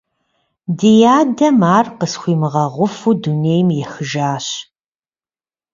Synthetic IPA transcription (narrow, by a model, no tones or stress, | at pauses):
dijaːdɐmaːrqəsχʷiːmɨʁɐʁʷʊfuduneːjmjɛxɨʒaːɕ